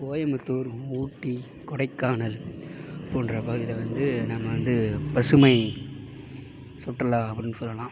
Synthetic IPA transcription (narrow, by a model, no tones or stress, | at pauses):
koːjɐmɯt̪ːuːɾuːʈːi | kɔɽɐɪkːaːnɐl | pːoːndrɐpɐɣɪðɐʋɐnd̪ɯnɐmːɐʋɐnd̪ɯpɐsɯmɐɪ | sɔʈːɐlaːɐpːɐɽɪnːɯsɔlːɐlãː